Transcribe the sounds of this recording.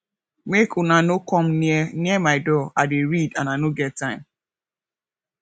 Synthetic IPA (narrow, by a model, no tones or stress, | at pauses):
mekʰunanokɔ̃mniɛmaɪdɔadeɹidãnanoɡɛt̚tːãɪ̃m